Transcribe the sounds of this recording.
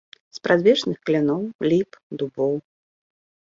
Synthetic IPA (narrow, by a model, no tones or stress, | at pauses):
spɾad̪vʲɛt͡ʂnɨxklʲɛnɔwlʲipd̪ubɔw